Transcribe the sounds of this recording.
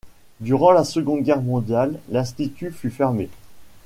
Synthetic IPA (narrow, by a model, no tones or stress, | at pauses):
d̪yʁɑ̃lasəɡɔ̃d̪ɡʲɛʁmɔ̃d̪jalːɛ̃st̪it̪yfyfɛʁme